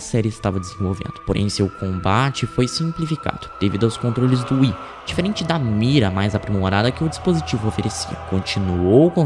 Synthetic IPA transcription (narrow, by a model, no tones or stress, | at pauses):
sɛɾɪɪst̪avɐd͡ʒɪzĩvowvḛ̃nd̪ʊpoɾʔḛ̃j̃sewkõbat͡ʃɪfojsĩmplifika̰d̪̥ʊd̪̥evḭd̪ʊawskõnt̪ɾolɪzd̪ʊi | d͡ʒifeɾẽnt͡ʃɪd̪ɐmiɾɐmajzapɾimoɾad̪ɐkɪʊd͡ʒispozit͡ʃivʊofeɾesḭɐ̰kõt͡ʃinuowkõ